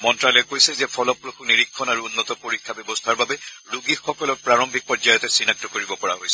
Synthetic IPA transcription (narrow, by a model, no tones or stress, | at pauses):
mɔntɹalɛkojsɛzɛpʰɔlɔpɹuxuniɹikʰːɔnaɹuunːɔtɔpoɹikʰːabɛbɔstʰaɹbabɛɹuɡixːɔkɔlɔɹpɹaɹɔmbʱik̚pɔzajɔtɛsinak̚tɔkoɹibɔpɔɹaɦojsɛ